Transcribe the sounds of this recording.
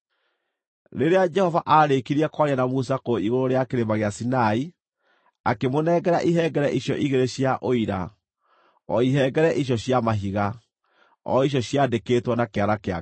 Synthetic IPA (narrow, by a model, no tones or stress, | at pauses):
ɾeɾead͡ʒɛhɔvaʔaːɾekiɾiɛkwaɾianamusakoiɣoɾoɾeakeɾemaɣeasinai | akemonɛːɡɛɾa̰ʔiɦɛɡɛɾɛʔiɕjɔʔiɣeɾeɕjaʔoiɾa | ɔ̰iɦɛɡɛɾɛʔiɕjɔɕjamaɦiɣa | ɔ̰iɕ̬jɔɕjadekeːtwɔnakeaɾakea